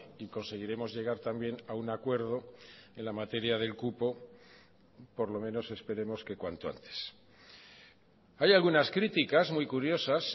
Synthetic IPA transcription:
iko̞nse̞ɣ̞iɾe̞mo̞zʝe̞ɣ̞aɾt̪ambje̞naunakwe̞ɾðo̞e̞nlamat̪e̞ɾjaðe̞lkupo̞ | po̞ɾlo̞mẽ̞no̞se̞spe̞ɾe̞mo̞ske̞kwant̪oa̰nt̪e̥s | ajalɣunaskɾit̪ikazmujkuɾjo̞sas

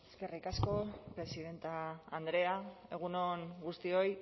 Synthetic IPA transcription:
eske̞rikasko̞pɾe̞siðe̞nt̪aːnd̪ɾe̞ae̞ɣ̞unoŋɡust̪io̞j

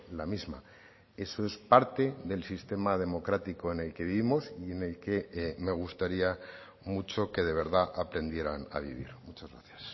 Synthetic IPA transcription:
lamizma | e̞so̞e̞spaɾt̪e̞ðe̞lsist̪e̞mað̞e̞mo̞kɾat̪iko̞e̞ne̞lke̞βiimo̞sie̞ne̞lke̞me̞ɣ̞ust̪aɾia | mut͡ʃo̞ke̞ð̞e̞β̞e̞ɾðaʔapɾe̞nd̪je̞ɾana̰β̞ḭβ̞ḭɾmut͡ʃazɣɾaθjas

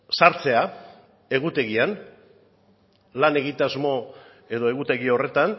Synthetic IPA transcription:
saɾt͡se̞a | e̞ɣut̪e̞ɣian | lane̞ɣ̞it̪azmo̞ | e̞ðo̞e̞ɣut̪e̞ɣio̞re̞t̪an

